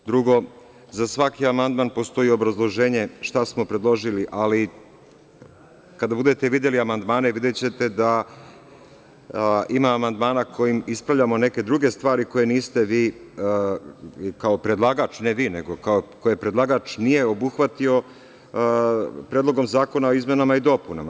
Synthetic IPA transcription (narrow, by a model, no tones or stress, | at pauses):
d̪ɾuɡo̞ | zasʋakiamand̪manpo̞st̪o̞jio̞bɾazlˠo̞ʒe̞ːɲe̞ʃt̪asmo̞pɾe̞d̪lˠo̞ʒiliʔali | kad̪abud̪e̞t̪eʋid̪je̞liamand̪maːne̞ʋid̪jet͡ɕe̞t̪e̞d̪a | imaːmand̪maːnakʰo̞jimispɾaʋʎamo̞ne̞ke̞d̪ɾuɡe̞st̪ʋaːɾiko̞je̞niːst̪e̞ʋiː | kaopɾe̞d̪lˠaɡat͡ʃneʋiːne̞ɡo̞kaokojepɾe̞d̪laɡat͡ʃnije̞o̞buxʋat̪io̞ | pɾeːd̪lˠo̞ɡo̞mzaːko̞nao̞izme̞namaid̪o̞punama